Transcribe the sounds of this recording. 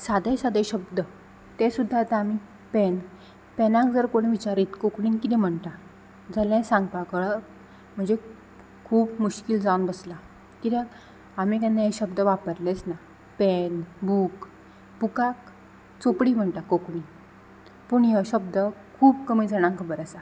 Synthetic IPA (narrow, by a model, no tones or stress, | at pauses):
sad̪esad̪eɕəbd̪ə | t̪ɛ̃sud̪ʱːat̪aami | pɛn | pɛnãkd͡zəɾkoɽ̃ʋit͡ɕaɾiːt̪kokɳiːnkit̪ɛm̤əɳt̪a | d͡zəlɛ̃sãŋɡpakəɭə | m̤əɳd͡ze | kʰuːpmuɕkild͡zawnbəsla | kit̪ɛ | amikãnːeɕəbd̪əʋapəɾlɛt͡sna | pɛnbuːk | pukak̚ | t͡sopɽim̤əɳt̪akokɳin | puɳjəɕəbd̪əkʰuːbkəmiːd͡zʱəɽ̃ãŋkʰəbəɾəsa